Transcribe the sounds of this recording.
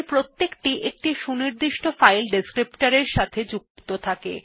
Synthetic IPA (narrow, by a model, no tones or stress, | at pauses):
pɾot̪ːekʈiʔek̚ʈiʃuniɾd̪iʃʈofajlɖiskɾipʈaɾeɾʃat̪ʰed͡ʑuk̚t̪ot̪ʰakḛ